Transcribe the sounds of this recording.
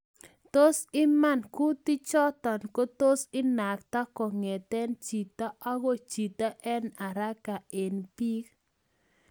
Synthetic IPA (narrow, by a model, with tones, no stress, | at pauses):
t̪o˦sɪ˦ma˦˨nku˦t̪i˦t͡ʃɔ˦t̪ɔ˨nko˦t̪o˦sɪ˦na˨kt̪a˦kɔ˨ŋɛ˨t̪ɛ˦nt͡ʃi˨t̪a˦ʔa˦ɡo˦t͡ʃi˨t̪a˦ʔɛ˦na˨ɾa˦ka˨e˨npi˦k